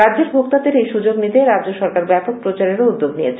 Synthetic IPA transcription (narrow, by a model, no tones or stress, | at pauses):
ɾadʑeɾbʱokt̪ad̪eɾejʃud͡ʑoɡnit̪eɾadd͡ʑoʃɔɾkaɾbɛpok̚pɾot͡ɕaɾeɾoud̪ːoɡnijet͡ɕʰe